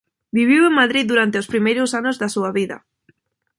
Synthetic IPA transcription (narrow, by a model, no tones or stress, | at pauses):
biβiweŋmaðɾiðd̪uɾant̪eospɾimejɾʊsanʊzðɐsuɐβiðɐ̰